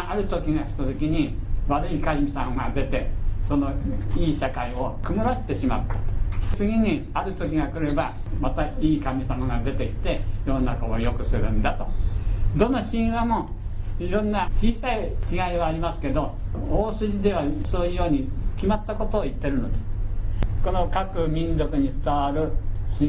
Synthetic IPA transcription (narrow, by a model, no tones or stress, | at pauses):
aɾɯ̟t̪o̞kʲiɡakʲi̥t̪ot̪ekʲiɲ̟iβaɾɯ̟ikaimʲisamaɡad̪e̞t̪e̞so̞no̞iːɕakaio̞kɯ̟mɯɾoɕi̥t̪e̞ɕimat̪ːḁt͡sɨɡʲiɲ̟i | aɾɯ̟t̪o̞kʲiɡakɯ̟ɾe̞bamat̪aiːkamʲisamaɡad̪e̞t̪e̞kʲi̥t̪e̞jo̞ːnakoojo̞kɯ̟sɨɾɯ̟nd̪at̪o̞d̪õ̞nːaɕĩɰ̃βamo̞iɾõ̞nːat͡ɕiːsai | kʲiɡaiβaːɾʲimasɨ̥ke̞d̪o̞oːsɨɾʲid̪e̞β̞asoːjɯ̟jo̞ːɲ̟ikʲimat̪ːako̞t̪o̞ːit̪ːe̞ɾɯ̟no̞d̪e | kono̞kakɯ̟mʲĩnzo̞kɯ̟ɲ̟it͡sɨ̥t̪aβaɾɯ̟ɕĩ